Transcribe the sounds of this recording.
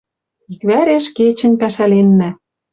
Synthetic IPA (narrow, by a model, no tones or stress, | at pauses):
ikβæɾeʃket͡ɕɘ̆nʲpæʃælenːæ